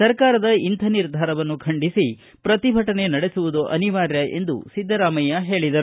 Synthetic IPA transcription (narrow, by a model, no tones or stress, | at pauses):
sɐɾkaːɾɐd̪ɐint̪ʰɐniɾd̪ʱaːɾɐʋɐnːukʰɐɳɖisi | pɾɐt̪ibʱɐʈɐne̞nɐɽe̞suʋud̪oʔɐ̰niʋaːɾjɐʔe̞̰nd̪ṵsid̪ʱːɐɾaːmɐjɐɦe̞ːɭid̪ɐɾu